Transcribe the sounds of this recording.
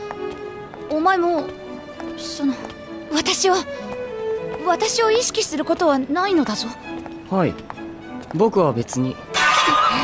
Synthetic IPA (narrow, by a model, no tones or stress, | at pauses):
omaemoː | sono | βat̪aɕiβa | βat̪aɕio̞iɕi̥kʲisɨɾɯ̟ko̞t̪o̞βanaino̞d̪azo̞ | haḭ | bo̞kɯ̟βabe̞t͡sɨɲ̟i